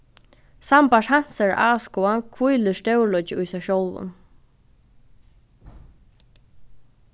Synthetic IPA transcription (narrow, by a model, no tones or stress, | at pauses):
sampaʂhan̥saɹʔaːskɔankʰvujlɪst̪ɛwlɔt͡ʃɪʊjsɛʃowlvʊ̰n